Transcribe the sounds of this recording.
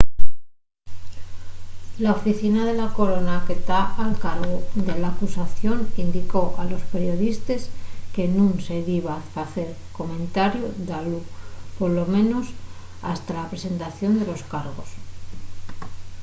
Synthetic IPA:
laofiθinaðe̞lako̞ɾo̞nake̞t̪aalkaɾɣod̪e̞lakusaθjo̞nind̪iko̞ʔalo̞speɾjo̞ðist̪e̞ske̞nũnse̞ðiβafaθe̞ɾ | ko̞mẽ̞nt̪aɾjod̪alupo̞ɾlo̞mẽ̞no̞s | a̰st̪alapɾe̞se̞nt̪aθjo̞nd̪e̞lo̞skaɾɣo̞s

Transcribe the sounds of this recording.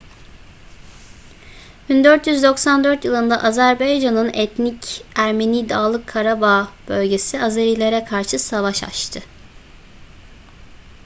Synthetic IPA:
b̥ind̪øɾt̪jyzd̪o̞ksand̪øɾt̪jɯlˠɯnd̪aʔazæɾbajd͡ʒanɯnɛt̪nicæɾme̞niːd̪aːlˠɯkʰːaɾabaːb̥ølʲɟe̞siazaɾiːlʲe̞ɾɛkʰaɾʃɯsavaʃa̰t͡ʃt̪ʰɯ

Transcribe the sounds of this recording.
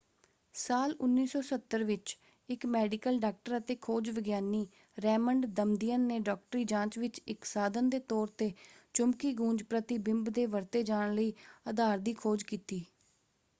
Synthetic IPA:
saːlʊnːiːsɔːsət̪ːəɾʋɪt͡ʃ | ɪkmɛːɖɪkəlɖaːk̚ʈəɾət̪eːkʰoːd͡ʒʋəɡjaːniː | ɾɛːməɳɖd̪əmd̪ijənːeːɖɔːk̚ʈɾiːd͡ʒãːt͡ʃʋɪt͡ʃɪksaːd̪ənd̪eːt̪ɔːɾt̪eːt͡ʃʊmkiːɡũːd͡ʒpɾət̪ɪbɪ̃mbd̪eːʋəɾt̪eːd͡ʒaːɽɳ̃ləiːəd̪aːɾd̪iːkʰoːd͡ʒkiːt̪iː

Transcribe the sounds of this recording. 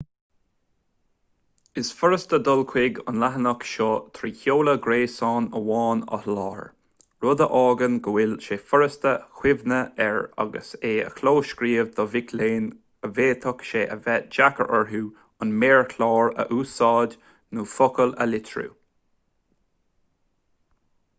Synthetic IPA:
ɪsfʊɹəst̪əd̪ɔlkʰwɪɡʊ̰nlaɦənəkʃɔt̪ʰɾiːçoːləɡɾeːsɑːnəwɑːnə̰hlɑːɹ | ɹʊd̪əʔɑːɡənɡəwɪlʃeːfʊɹəst̪əxwɪvnəɛɹa̰ɡə̰seːə̰kʰloːʃkɾiːvd̪ɔvɪkʰleːn | əveːt̪ʰəkʃeːʔəvɛt̚d͡ʒakə̰ɹʔəɹɦuː | ʊnmeːɹkʰlɑːɹə̰ʔuːsɑːd | nuːfɔkələ̰lɪt̪ʰɹṵː

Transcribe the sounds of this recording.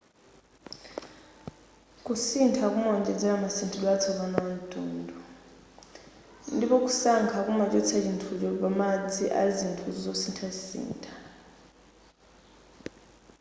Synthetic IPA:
kʼusintʰakʼumɔɲd͡ʒʼɛd͡zɛamasintʰɔlwat͡sʰɔɓanan̩tʼuːndʱɔ | ndiɓɔkʼu̥saŋkʰakʼumat͡ʃʼɔt͡sʰat͡ʃintʰulɔɓamad͡zʱiʔa̰zintʰuzzosintʰazisḭːntʰḁ

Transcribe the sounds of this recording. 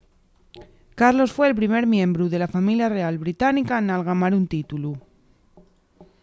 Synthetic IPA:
kaɾlo̞sfwe̞ːlpɾime̞ɾmjẽ̞mbɾuðe̞lafamiljare̞alβɾit̪anikanalɣamaɾunt̪it̪ulu

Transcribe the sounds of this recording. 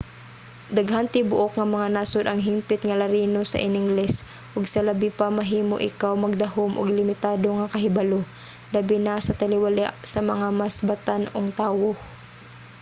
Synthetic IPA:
d̪ɐɡɦant̪ɪbʊʔokŋɐmɐŋanaːsod̪ʔɐŋɦɪmpɪt̪ŋɐlɐɾiːnosɐ̰ʔɪnɪŋɡlɛs | ʔʊɡsɐlɐbɪpamɐɦiːmo̰ʔɪ̰kawmɐɡ̚d̪ɐhomʔʊ̰ɡlɪmɪt̪aːd̪oŋɐkɐɦɪbɐlo | lɐbɪnasɐt̪ɐlɪwalaʔsɐmɐŋamasbɐt̪anoŋt̪aːwo

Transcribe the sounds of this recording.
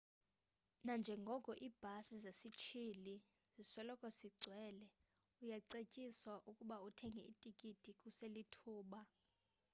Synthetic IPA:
nand͡ʒʱɛŋɡʱɔkʼɔʔiːb̥ʱasizesit͡ʃʰili | zisɔlɔkʼɔsiɡ͡ǀʱwɛːlɛ | ujaǀecʼiswaʔukʼuɓautʰɛŋɡʱɛitʼikʼitʼikʼuselitʰuːɓa

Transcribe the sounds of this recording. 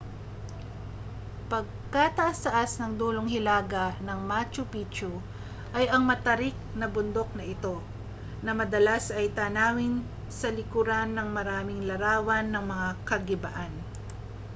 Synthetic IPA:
pɐɡ̚kat̪ɐɐʔast̪ɐʔasnɐŋd̪uːloŋɦɪlaːɡɐnɐŋmat͡ʃʊpiːt͡ʃo | ʔɐjɐŋmɐt̪ɐɾɪk̚nɐbʊnd̪o̞k̚nɐʔɪt̪o̞ | nɐmɐd̪ɐlasɐjt̪aːnaːwɪn | sɐlɪkuɾanːɐŋmɐɾaːmɪŋlɐɾaːwɐnːɐŋmɐŋakɐɡɪbɐ̰ʔan

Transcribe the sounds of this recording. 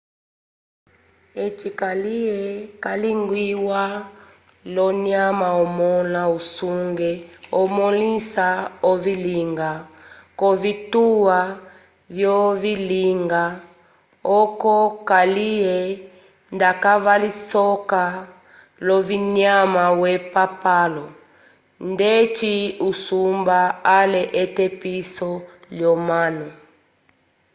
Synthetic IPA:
ɛt͡ʃikaliɛkaliŋɡwiwa | lɔniamaɔmɔnausuŋɡɛɔmɔlisaɔviliŋɡakɔvituwa | vjɔviliŋɡa | ɔkɔkaliɛ | ndakavalisɔka | lɔviɲamawɛpapalɔ | ndɛt͡ʃiusumbaalɛʔɛtɛpisɔljɔmanɔ

